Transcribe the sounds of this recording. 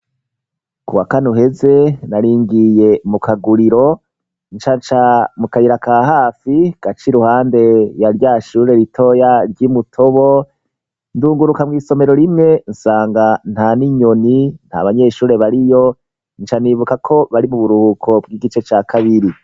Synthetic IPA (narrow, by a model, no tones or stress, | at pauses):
kuwakanuɦe̞ze̞naɾiːŋɡije̞mukaɡuɾiɾo̞ | nt͡ʃant͡ʃamukaiɾakaːɦaːfiɡ̥at͡ʃiɾuhaːnde̞jaɾjaːʃuːɾe̞ɾitʰo̞jaɾɟiːmutʰo̞βo̞ | nduːŋɡuɾukamŋiːso̞me̞ɾo̞ɾimŋe̞nsaːŋɡan̥haniɲo̞nin̥ha̰βaɲe̞ːʃuːɾe̞βaɾijo̞ | nt͡ʃaniβukakʰo̞βaɾimuβuɾuhuːkʰobɡiːɡit͡ʃe̞t͡ʃaːkʰaβiɾi